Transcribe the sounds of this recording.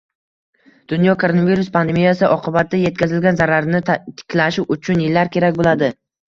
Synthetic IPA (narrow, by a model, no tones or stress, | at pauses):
d̪̥ʊnjɒkʰoɾonaviɾʊspʰand̪e̞mijasɪʔɒqʰɨbat̪̚ːd̪aje̞t̪̚kʲʰazɪlɡʲanzaɾaɾnɪt̪ʰɪ̥kʲlaʃɪʊt͡ʃʰʊnjɪlːaɾkʲʰe̞ɾakʲbolad̪ɪ